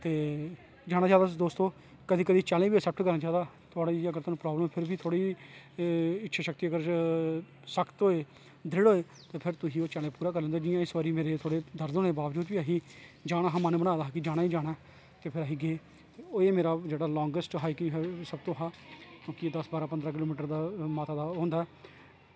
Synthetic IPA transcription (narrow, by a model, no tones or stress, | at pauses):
t̪eː | d͡ʒaːɽaːd͡ʒaːd̪aːd̪oːst̪õː | kəd̪iːkəd̪iːt͡ʃaːlẽːbiːəsɛːp̚ʈkəɾnaːd͡ʒaːd̪aː | t̪ʰʊaːɽaːiːəɡəɾt̪oaːnũːpɾaːbləmpʰɪɾbiːt̪ʰoːɽiː | ɪtːʃʰeʃəkt̪iːəɡəɾ | səkt̪ɦoːeː | d̪ɾɪɽoːeː | t̪eːpʰɪɾt̪ʊsĩːoːt͡ʃalẽːpuːɾaːkəɾlẽːd̪aːd͡ʒɪjãːɪsʋaːɾiːmeːɾeːt̪ʰoːɽeːd̪əɾd̪oːneːbaːʋd͡ʒuːd̪biːaːɦiːd͡ʒaːɽ̃aːɦaːmaːnbəɽ̃ãːd̪aːkid͡ʒaːɽ̃aːiːd͡ʒaːɽ̃aː | t̪eːpʰɪɾaːɦiːɡeː | oːeːmeːɾaːd͡ʒeːɽaːlɔ̃ːŋɡəsʈɦaːikiɦɛsəbt̪õːɦaːkjõːkieːd̪əsbaːɾaːpənd̪ɾaːk̬ɪloːmiːʈəɾd̪aːmaːt̪aːd̪aːɦõːnd̪aːɛː